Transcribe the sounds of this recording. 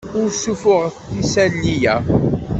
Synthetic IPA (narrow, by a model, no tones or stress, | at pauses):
ʊɾsːufʊʁəθθisælːijæ